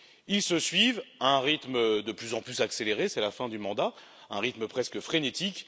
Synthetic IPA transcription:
ilsəsɥivaɛ̃ʁit̪md̪əplyzɑ̃plysakseleʁesɛlafɛ̃d̪ymɑ̃d̪a | ɛ̰̃ʁit̪məpχɛskəfχenet̪ik

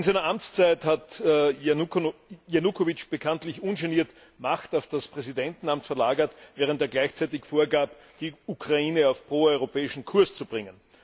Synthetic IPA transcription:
ɪnzæɪnɐʔamt͡st͡sæɪthat | jenukʰovɪt͡ʃb̥əkʰantlɪçʔʊ̃nʃɛniːɐt | maxtaʊfd̥aspʁ̥ɛzidɛntn̩amtfɛɐlaːɡɐtvɛːʁ̞ənteːɐɡlæɪçt͡sæɪt̬ɪçfoːɐɡaːp | d̥iukʁ̥aiːnəaʊfpʁ̥oːɔʏʁ̞opɛːɪʃn̩kʰʊɐst͡sub̥ʁɪŋən

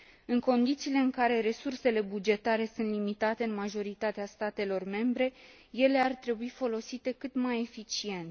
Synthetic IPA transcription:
ɨŋko̞nd̪it̪siːle̞ɨŋkaɾe̞ɾe̞surse̞le̞bud͡ʒe̞t̪aɾe̞sunt̪limit̪at̪e̞ɨnmaʒo̞ɾit̪at̪east̪at̪e̞lo̞rme̞mbɾe̞ | je̞le̞art̪ɾe̞buifo̞lo̞sit̪e̞kɨt̪maje̞fit͡ʃie̞nt̪

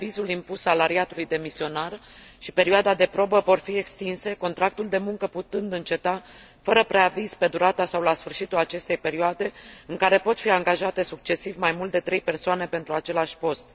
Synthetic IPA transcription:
vizulimpusːalaɾiat̪ulujd̪e̞misio̞narʃipe̞ɾioad̪ad̪e̞pɾo̞bəvo̞rfie̞kst̪inse̞ko̞nt̪ɾak̚t̪uld̪e̞muŋkəput̪ɨnd̪ɨnt͡ʃe̞t̪afəɾəpɾe̞aviz̥pe̞d̪uɾat̪asawlasfɨrʃit̪ulat͡ʃe̞st̪e̞jpe̞ɾioad̪e̞ɨŋkaɾe̞po̞t̪fiaŋɡaʒat̪e̞suk̚t͡ʃe̞sivmajmult̪d̪e̞t̪ɾe̞jpe̞rsoane̞pe̞nt̪ɾuat͡ʃe̞laʃʲpo̞st̪

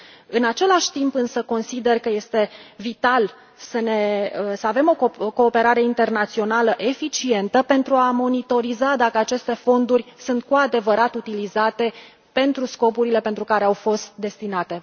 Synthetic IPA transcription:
ɨnat͡ʃe̞laʃʲt̪impɨnsəko̞nsid̪e̞rkəje̞st̪e̞vit̪al | səne̞əsəave̞mo̞kko̞ːpe̞ɾaɾe̞int̪e̞rnat̪sio̞naləʔe̞fit͡ʃie̞nt̪əpe̞nt̪ɾuamo̞nit̪o̞ɾizad̪akəat͡ʃe̞st̪e̞fo̞nd̪urʲsunt̪̚kuad̪e̞vəɾat̪ut̪ilizat̪e̞ | pe̞nt̪ɾusko̞puɾile̞pe̞nt̪ɾukaɾeawfo̞st̪̚d̪e̞st̪inat̪e

